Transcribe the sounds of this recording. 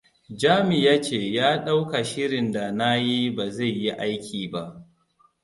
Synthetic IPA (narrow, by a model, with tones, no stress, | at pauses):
d͡ʒaː˦mɪ˨jaː˦t͡ʃeː˨jaː˦ɗa˦wka˨ʃɪ˦ɽɪ˨nda˨na˦ji˦ba˨za˦˨jːi˦ʔa˦jkʲiː˨ba˦ʔ